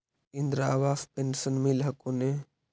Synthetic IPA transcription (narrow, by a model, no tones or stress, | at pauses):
ind̪ɾaːʋaːspensənmilɦɐkone